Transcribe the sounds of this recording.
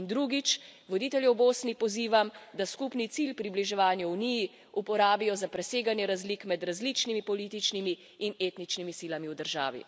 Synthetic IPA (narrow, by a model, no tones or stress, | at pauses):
nd̪ɾuɡit͡ʃʋɔd̪iːt̪ɛljɛwboːsnipɔziːʋamd̪askupnit̪silpɾibliʒɛʋaːnjauniji | upɔɾaːbijɔzapɾɛseːɡanjɛɾazlikmɛd̪ɾazlit͡ʃnimipɔliːt̪it͡ʃnimiː | neːt̪nit͡ʃnimisiːlamiwd̪əɾʒa̰ːʋḭ